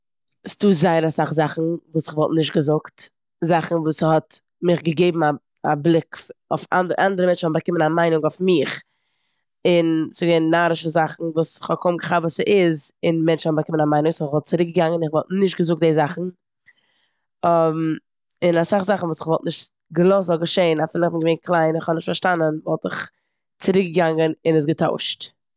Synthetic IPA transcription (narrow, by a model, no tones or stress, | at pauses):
stuːzaɪəɾasaχzaχn̩vuːsɪχvɔlˠtnɪʃ̬tɡəzʊkt | zaχn̩vuːshɔt | mɪχɡəɡeɪbm̩a | ablˠɪkofa̰ndʔandəɾəmɛnt͡ʃhɔnbakɪmənamaɪnʊŋɔfmɪχ | ɪnsɪɡɛɪnnːaːɾɪʃəzaχn̩vuːsɪχhɔkʰɔmɡəχabvuːsəʔɪzɪnmɛnt͡ʃɔbakɪmənamaɪnʊŋsnɪχvɔlˠt̚t͡səɾɪk̚ɡəɡaŋənɪχvɔlˠtnɪʃ̬t̚ɡəzʊk̚deːzaχn̩ | ɔ | ɪnasaχzaχn̩vuːsɪχvɔlˠtnɪʃt | ɡəlˠɔs̬ɔɡəʃeɪnafɪlˠɪχbɪnɡəveɪnkʰlˠaɪnɪχhɔbnɪʃtfaɾʃtanənvɔlˠtɪχ | t͡səɾɪk̚ɡəɡaŋənɪnɪs̬ɡətʰa̰ʊʃt